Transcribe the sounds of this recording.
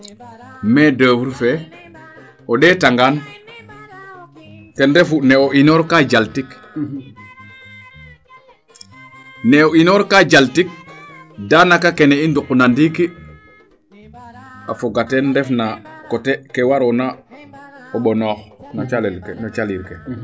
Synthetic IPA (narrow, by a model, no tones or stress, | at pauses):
mɛdəːwuɾfɛ | oɗɛtaŋɡan | kendɛfuneoʔinoɾkad͡ʒaltik | nɛoinoɾkad͡ʒaltik̚ | danakakeneindukːunandiki | afoɡatendɛfnakotekewaɾɔna | oɓonɔːxnot͡ʃalɛlkenot͡ʃaliɾke